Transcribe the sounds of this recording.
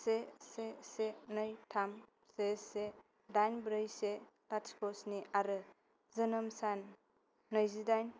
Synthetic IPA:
sesesenɯjtʰam | sese | dajnbɾɯjse | laskʰɔsniʔaɾɯ | zɯnɯmsanː | əjzidajn

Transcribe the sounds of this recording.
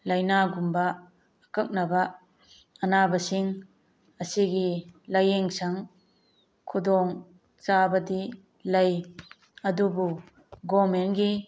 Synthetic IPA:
lɐjnaɡumbaː | kɐk̚nabaː | nabɐsiŋ | ɐsiɡilɐjeŋsaŋ | kʰudɔŋ | t͡ʃabɐdi | laj | ɐdubu | ɡɔmenɡi

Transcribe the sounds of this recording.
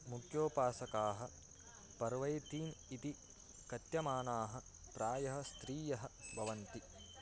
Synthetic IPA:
mukʰjoːpaːsɐkaːɦɐ̆ | pɐɾʋɐjt̪iːnit̪i | kɐt̪jɐmaːnaːɦɐ̆ | pɾaːjɐɦɐ̆st̪ɾiːjɐɦɐ̆bʱɐʋɐnt̪i

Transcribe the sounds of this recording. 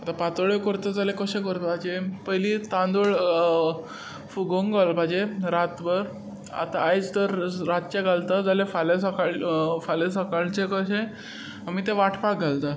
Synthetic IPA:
at̪apat̪əɭekəɾt̪əd͡zalekəɕẽkəɾt̪əbʱad͡ʑepəjlit̪ãnd̪oɭ | fuɡoŋɡalbʱad͡ʑeɾat̪bəɾ | a̰t̪aajt͡st̪əɾɾat̪̚t͡ɕeɡʱalt̪əd͡zalefalesəkaɭfalesəkaɭt͡ɕekəɕẽ | amiːt̪eʋaʈʰpak̚ɡʱalt̪ə

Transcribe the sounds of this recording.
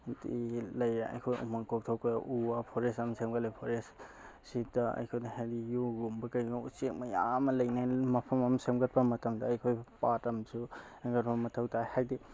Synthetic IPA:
tilɐjeɐ̰jkʰojṵmɐŋkok̚tʰokjaʔuapʰoɾesɐmsemɡɐlejpʰoɾes | sit̚dɐɐ̰jkʰojdɐhajdijuɡumbɐkɐjɡaṵsek̚mɐjamɐlɐjnajmɐpʰɐmɐmsemɡɐt̚bɐmɐtɐmdɐːjkʰojpatɐmsuŋɡɐt̚pɐmɐtʰɐwtʰajhajdi

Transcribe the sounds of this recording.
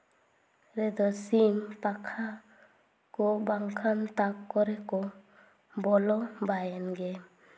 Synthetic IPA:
ɾɛd̪ɔsimpakʰa | kɔbaŋkʰant̪akːɔɾɛkɔ | bɔlɔbajɛnɡɛ

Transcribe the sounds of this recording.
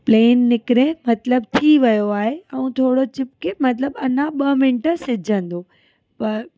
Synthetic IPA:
pleːnːɪkɪɾẽmɐt̪ləb̚t̪ʰiʋɐjoaːɦeɛũt̪ʰoːɽot͡ɕɪp̚kʰemɐt̪ləbɐnãɓɐmɪnʈəsɪd͡ʑʱə̃nd̪oː | pɐɾ

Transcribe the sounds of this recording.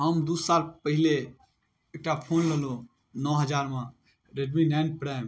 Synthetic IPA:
ɦəmd̪ussalpəɦile | ek̚ʈapʰonləlõ | nɔɦəd͡ʒaɾmã | ɾeɖminɛ̃nɖ̚pɾaɪm

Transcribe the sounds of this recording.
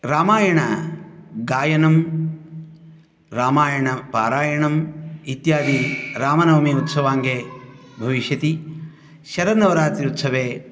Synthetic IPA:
ɾaːmaːjɐɳɐ | ɡaːjɐnɐm | ɾaːmaːjɐɳɐpa̰ːɾaːjɐɳɐmit̪jaːd̪iɾaːmɐnɐʋɐmiut̪sɐʋaːŋɡeː | bʱɐʋiʃjɐt̪i | ʃɐɾɐnɐʋɐɾaːt̪ɾiut̪sɐʋeː

